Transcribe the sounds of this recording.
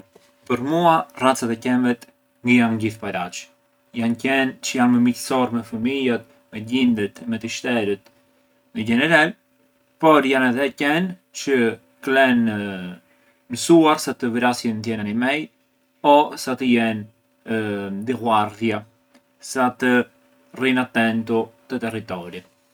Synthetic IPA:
pəɾmuarat͡sat̪ɛcɛmbɛt̪ | ŋɡəjanɟiθpaɾat͡ʃ | jancɛnt͡ʃəjanməmicsɔɾmɛfəmijat̪̚ | mɛɟind̪ət̪mɛt̪əʃt̪ɛɾət̪ | nəɟɛnɛɾal | pɔɾjanɛðɛcɛnt͡ʃə | klɛnə | məsuaɾsat̪əvɾasjənt̪̬jɛnanimɛj | ɔsat̪əjɛn | d̪iɣwaɾðja | sat̪ə | rinat̪ɛnt̪ut̪ət̪ɛrit̪ɔɾit̪

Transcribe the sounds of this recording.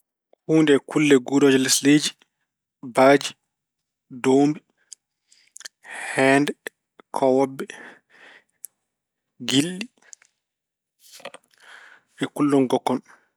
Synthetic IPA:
huːndɛkʰulːɛɡudɔːd͡ʒɔlɛsled͡ʒi | baːd͡ʒi | dombi | hɛːndɛ | kʰɔwɔbːɛ | ɡilːi | ɛkulːɔnɡɔkːɔn

